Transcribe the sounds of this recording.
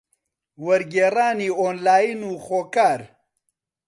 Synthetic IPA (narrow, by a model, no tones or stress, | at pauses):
wɐɾɡeːraːniːoːnlaːjinuːxoːkaːɾ